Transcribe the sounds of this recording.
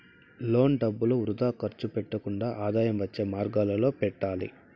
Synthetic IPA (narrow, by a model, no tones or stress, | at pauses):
lo̞ːɳɖɐbːuloːɾud̪aːkɐɾt͡ʃupɛʈːɐkuɳɖaːʔaːd̪aːjɐmʋɐt͡ʃːeːmaːɾɡaːlɐlo̞ːpɛʈːaːlḭ